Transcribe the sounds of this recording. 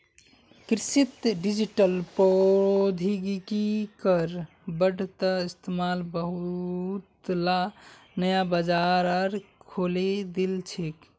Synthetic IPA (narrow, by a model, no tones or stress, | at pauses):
kɾsit̪ɖid͡ʒiʈəlpod̪ʱiɡikikəɾ | bəɖʱt̪əist̪emalbəɦut̪lanəjabəd͡ʒaɾəɾkʰoled̪ilt͡ʃʰek